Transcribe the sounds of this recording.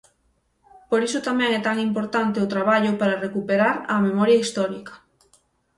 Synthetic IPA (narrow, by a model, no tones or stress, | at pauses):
poɾisʊt̪amɛ̃ŋɛt̪aŋimpoɾt̪ant̪eʊt̪ɾaβ̞aʎʊpaɾɐrekupeɾaɾɐmemɔɾjɐist̪ɔɾikɐ̥